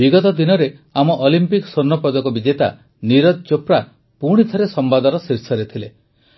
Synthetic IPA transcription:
biɡɔt̪ɔd̪inɔɾeamɔʔɔlimpiksoɾnːɔpɔd̪ɔkɔbid͡ʒet̪a | niɾɔt̪̚t͡ʃopɾa | puɽ̃it̪ʰɔɾesɔmbad̪ɔɾɔsiɾsɔɾet̪ʰile

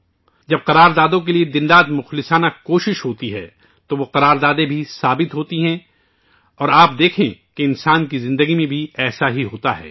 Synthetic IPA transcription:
d͡ʒɐb̚qɐɾaːɾd̪aːd̪õk̬elied̪ɪnd̪aːt̪mʊxlɪsaːnakoːʃɪʃɦoːt̪iɦɛː | t̪oʋoqɐɾaːɾd̪aːd̪ẽbʱisaːbɪt̪ɦoːt̪iɦɛ̃ | ɔːɾaːp̚d̪eːkʰḛ̃keɪnsaːnk̬izɪ̃nd̪əɡimẽbʱiɛːsaɦiɦoːt̪aɦɛ̰ː

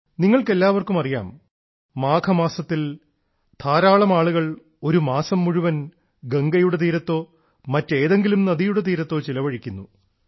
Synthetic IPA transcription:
niŋːɐɭke̞lːaːʋɐrkumɐrija̰ːmː | aːkʰɐmaːsɐt̪ːil | t̪ʰaːɾaːɭɐmaːɭuɣɐɭ | o̞ɾumaːsɐmːuɻuʋɐn | ɡeŋɡɐjuɽet̪̬iːɾɐt̪ːo̞ː | mɐtːe̞ːðe̞ŋɡilumnɐðijuɽet̪̬iːɾɐt̪ːo̞ːt͡ɕilɐʋɐɻikʲːunːu

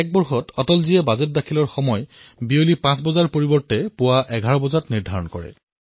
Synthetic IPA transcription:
ɛk̚bɔɹxɔtʰɔtɔlziɛbazɛt̚dakʰilɔɹxɔmɔjbiolipãsbɔzaɹpoɹibɔɹtɛpʊwaʔɛɡʱaɹɔbɔzatniɹdʱaɹɔnkɔ̰ɹɛ̰

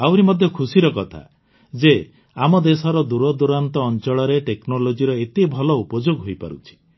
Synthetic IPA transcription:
awɾimɔd̪ʱjɔkʰusiɾɔkɔt̪ʰa̰ | d͡ʒe | amɔd̪esɔɾɔd̪uɾɔd̪uɾant̪ɔːnt͡ʃɔɭɔɾeʈeknɔlod͡ʒiɾɔet̪ebʱɔlɔupɔd͡ʒoɡɦojpa̰ɾṵt͡ʃʰi̥

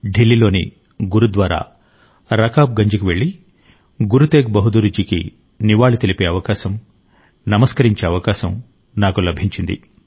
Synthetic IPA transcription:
ɖilːilo̞ːnḭ | ɡuɾud̪ʋaːɾa̰ː | ɾɐkaːp̚ɡɐɲd͡ʒukuʋe̞ɭːi | ɡuɾut̪eːɡbɐɦud̪uɾud͡ʒikḭ | niʋaːɭut̪elipe̞ːɐʋɐkaːʃɐm | nɐmɐskɐɾiɲt͡ʃeːɐʋɐkaːʃɐm | naːkulɐbʱiɲt͡ʃind̪ḭ

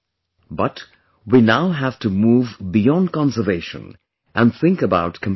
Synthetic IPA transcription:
bʌt | winaʊɦæv̥tumuːvbijɔ̃nd̚kɑ̃nsəveɪʃə̰̃n | ʔæ̃nθɪ̃ŋkəbaʊtkʰə̃m

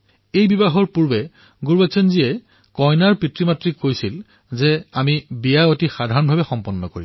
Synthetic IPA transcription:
ejbibaɦɔɹpuɹbɛ | ɡuɹbasɔnziɛ | kɔjnaɹpitɹimatɹikːojsil | zɛamibijaotixadʱaɹɔnbʱabɛxɔmpɔnːɔko̰ɹḭb

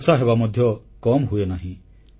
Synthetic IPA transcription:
saɦebamɔd̪ʱjɔ | kɔmɦuenaɦĩ

